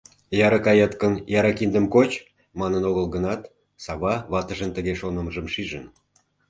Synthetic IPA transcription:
jɑɾɑkɑjɑt̪kənjɑɾɑkind̪əmkot͡ɕ | mɑnənoɣəlɣənɑt̪ | sɑβɑβɑt̪əʒənt̪əɣeʃonəməʒə̆mʃiʒən

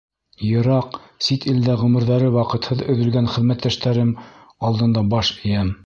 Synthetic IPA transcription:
jɤ̆ɾɑqsit̪ild̪æʁɵ̆mɘ̆ɾðæɾɘwɑqɤ̆t̪hɤðɵ̆ðɵ̆lɡænχɘ̆ðmæt̪ːæʃt̪æɾɘm | ɑlˠd̪ɤ̆nd̪ɑbɑʃɘ̆jæm

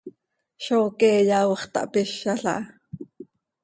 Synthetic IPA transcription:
ʃoːkɛːjɑwχt̪ɑ̰ʔpɪʃːɑɬɑ̰ʔɑ

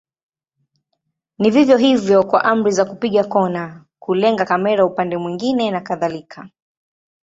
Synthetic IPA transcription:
nivivjɔɦivjɔkwa̰ʔam̩ɾizakupiɠakɔna | kulɛŋɡakamɛɾaupandɛmwiŋɡinɛnakaðalikʰa

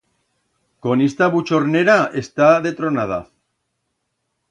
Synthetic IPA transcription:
ko̞nest̪aβut͡ʃoɾneɾaest̪aðet̪ɾonaða̰

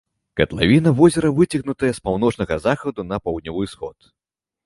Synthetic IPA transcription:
kɐt̪lˠa̰vʲinɐvɔzʲɛɾɐvɨt͡sʲiɣnut̪ɐjɐspawnɔt͡ʂnɐɣɐzaxɐd̪unɐpawd̪nʲɔvɨjsxɔ̰t̪

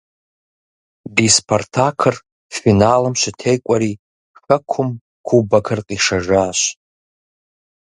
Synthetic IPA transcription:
bispʰortʰakʰɨr | finalɨmʃʷatʰejkʷʼaɾi | xəkʷʰʊm | kʰubakʰɨrqʼiʂaʒaːʃʷ

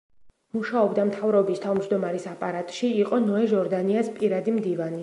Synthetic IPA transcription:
muʃaɔbd̪amt̪ʰavɾɔbist̪ʰavmd͡ʒd̪ɔmaɾisapʼaɾat̪ʼʃiːqʼɔnɔɛʒɔɾd̪aniaspʼiɾad̪imd̪ivani

